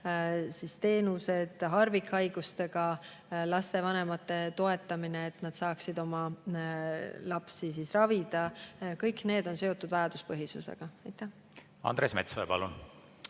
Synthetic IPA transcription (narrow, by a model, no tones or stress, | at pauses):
sist̪e̞ːnuse̞d̪̥ɦɑrvikɑjɡ̥ust̪e̞ɡ̥ɑ | lɑst̪e̞vɑne̞mɑt̪ːe̞t̪o̞e̞t̪ːˑɑmineːt̪ˑnɑd̪̥sɑːksid̪̥o̞mɑ | lɑpsisisrɑvid̪̥ɑkɤjkne̞ːd̪̥o̞nseo̞t̪ːˑud̪vɑjɑd̪̥uspɤɦjisṵsḛɡ̥ɑɑjt̪ːˑæh | ɑ̰nd̪̥ɾeːsmḛt̪soepɑ̰lun